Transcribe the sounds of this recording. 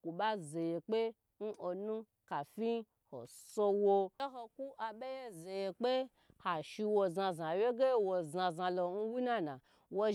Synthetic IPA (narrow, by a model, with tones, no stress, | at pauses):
ku˨ɓa˦ze˨je˨k͡pe˦ | n̩˦o˧nũ˦ | ka˨fi˦ | ho̰˨so˧wo˧˦ɦo˧ku˦ʔa˧be˦je˦ze˨je˧k͡pe˦ | ha˨ʃi˧wo˧za˧za˨wje˦ɡe˦wo˧˨zã˧zã˧lo˧n̩˦wi˦na˦nã̰˨ | wo˧